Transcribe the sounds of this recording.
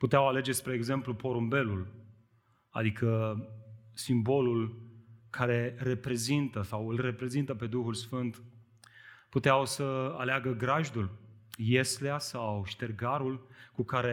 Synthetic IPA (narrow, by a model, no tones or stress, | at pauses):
put̪eawale̞d͡ʒespɾeːɡze̞mplupo̞ɾumbe̞lul | a̰d̪ikʰə | simbo̞lulkʰaɾe̞ɾe̞pɾe̞zint̪əsawɨlre̞pɾe̞zint̪əpe̞d̪uxulsfɨnt̪ | put̪eawsəaleaɡəɡɾaʒd̪ulje̞sleasawʃt̪e̞rɡaɾulkukaɾe